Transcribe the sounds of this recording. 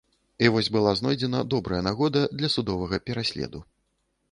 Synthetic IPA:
ivɔsʲbɨlˠaznɔjd͡zʲɛnɐd̪ɔbɾɐjɐnaɣɔd̪ɐd̪lʲɐsud̪ɔvɐɣɐpʲɛɾasʲlʲɛ̰d̪u

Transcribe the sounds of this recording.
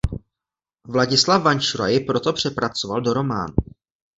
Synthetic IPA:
vlaɟɪslavvant͡ʃuɾa̰jɪpɾo̞t̪o̞pr̝̥ɛpɾat͡so̞valdo̞ɾo̞ma̰ːnu

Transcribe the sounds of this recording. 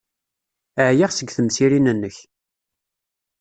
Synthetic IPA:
əʕjaʁsəɡθəmsiɾinənːəç

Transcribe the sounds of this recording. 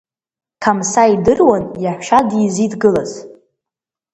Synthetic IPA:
kʰamsaidɨrwanjaħʷʃadizidɡɨlaz

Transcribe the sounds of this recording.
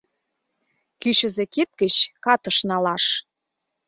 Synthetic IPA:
kyɕə̆zĕkit̪̚kə̆t͡ɕkɑt̪ɤ̆ʃnɑlɑʃ

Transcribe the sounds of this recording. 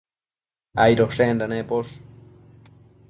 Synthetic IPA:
ajɾoʂendanepos

